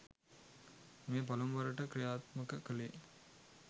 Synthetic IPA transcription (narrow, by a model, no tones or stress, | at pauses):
meːpalomʋaɾəʈəkɾijaːt̪məkəkəle